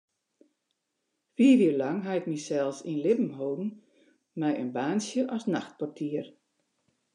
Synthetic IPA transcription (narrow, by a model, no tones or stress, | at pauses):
fiːviərlaŋɦaɪk̚misɛlˠsinlɪpm̩ɦoːɡn̩ | mɛjʔənbaːnsjəʔɔsnaxt̚pɔrtʰiər